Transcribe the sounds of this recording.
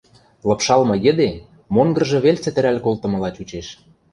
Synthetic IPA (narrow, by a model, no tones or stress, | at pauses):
lɤ̆pʃɑlmɤ̆ɡĕd̪e | moŋɡɤ̆rʒɤ̆βelt͡sɘ̆t̪ɘ̆ɾælʲkolt̪ɤ̆mɤ̆lɑt͡ɕʲut͡ɕeʃ